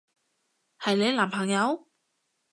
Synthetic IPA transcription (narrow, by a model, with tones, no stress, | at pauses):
hɐ˨jle˨˧jlaː˨˩mpʰɐ˨˩ŋjɐ˨˧w